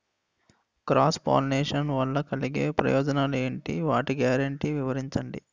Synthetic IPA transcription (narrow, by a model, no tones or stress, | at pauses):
kɾaːspa̰ːlneːʂɐnʋɐlːɐkɐliɡeːpɾɐ̰jɔːd͡ʒɐnaːlueːɳʈḭʋaːʈiɡjaːɾɐɳʈiːʋiʋɐɾiɲt͡ʃɐɳɖḭ